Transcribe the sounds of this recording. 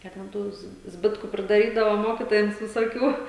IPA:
ˈkɑː tʲɛn ˈtoːs ˈzʲbʲɪtkʊ pʲrʲɪdɐˈrʲiːdɐʋoː ˈmoːkʲɪtoːjɛms ʋʲɪsoːˈkʲuː

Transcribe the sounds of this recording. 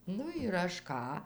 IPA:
ˈnʊ ɪr ˈɐʃ ˈkɑː

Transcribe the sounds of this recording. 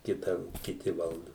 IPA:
ˈkʲɪtɐ kʲɪˈtʲɪ ˈʋɐlˠdʊ

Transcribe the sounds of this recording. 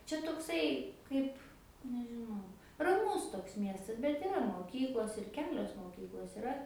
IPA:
t͡ʃʲɛ toːkˈsɐɪ ˈkɐɪp nʲɛʒʲɪˈnɐʊ rɐˈmʊs toːks ˈmʲiɛstɐs bʲɛt ɪˈrɐ moːˈkʲiːklˠoːs ɪr ˈkʲæːlʲoːs moːˈkʲiːklˠoːs ɪˈrɐ

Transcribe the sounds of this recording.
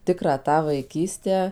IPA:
ˈtʲɪkrɑː ˈtɑː ʋɐɪˈkʲiːsʲtʲæː

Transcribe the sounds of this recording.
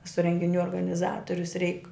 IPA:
ɛˈsʊ rʲɛŋʲɡʲɪˈnʲuː oːrɡɐnʲɪˈzɑːtoːrʲʊs rʲɛɪk

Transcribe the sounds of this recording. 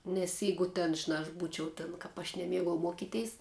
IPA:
nʲɛs ˈjɛɪɡʊ tʲɛn ʒʲɪˈnɑː ɐʃ ˈbuːt͡ʃʲɛʊ tʲɪn ˈkɐp ɐʃ nʲɛˈmʲiɛɡɐʊ ˈmuɔkʲɪtʲɛɪs

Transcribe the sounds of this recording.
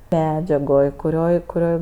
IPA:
ˈmʲæːd͡ʒʲɛɡoːj kʊˈrʲoːj kʊˈrʲoːj

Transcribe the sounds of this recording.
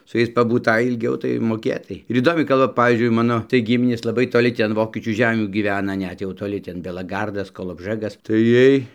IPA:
sʊ ˈjɛɪs pɐbuːˈtɐɪ ɪlʲˈɡʲɛʊ tɐɪ moːˈkʲeːtɐɪ ɪr iːˈdoːmʲɛɪ ˈkɐlˠbɐ ˈpɑːʋʲiːzʲd͡ʒʲʊɪ ˈmɑːnoː tɐɪ ˈɡʲɪmʲɪnʲeːs lˠɐˈbɐɪ toːˈlʲɪ toːˈlʲɪ tʲiː ɐnˈʋoːkʲiɛt͡ʃʲuː ˈʒʲæːmʲuː ɡʲiːˈʋʲæːnɐ ˈnʲɛt jɛʊ toːˈlʲɪ ˈtʲɛn bʲɛlˠɐˈɡɐrdɐs koːlˠoːbˈʒɘɡɐs tɐɪ ˈjiɛj

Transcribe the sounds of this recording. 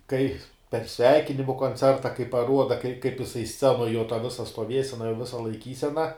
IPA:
ˈkɐɪ pʲɛr ˈsʲʋʲɛɪkʲɪnʲɪmʊ koːnʲˈt͡sʲɛrtɐ kɐɪ pɐˈruɔdɐ kɐɪ kɐɪp jɪˈsɐɪ ˈsʲt͡sʲæːnoːj joː tɐ ˈʋʲɪsɐ stoːˈʋʲiɛsʲɛnɐ joː ˈʋʲɪsɐ lˠɐɪˈkʲiːsʲɛnɐ

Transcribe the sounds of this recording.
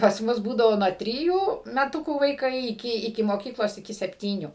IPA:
pɐs ˈmʊs ˈbuːdɐʋoː nuɔ ˈtʲrʲɪjuː mʲɛˈtʊkuː ʋɐɪˈkɐɪ ɪˈkʲɪ ɪkʲɪ moːˈkʲiːklˠoːs ɪˈkʲɪ sʲɛpʲˈtʲiːnʲuː

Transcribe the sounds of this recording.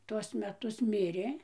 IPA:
ˈtuɔs mʲɛˈtʊs ˈmʲɪrʲeː

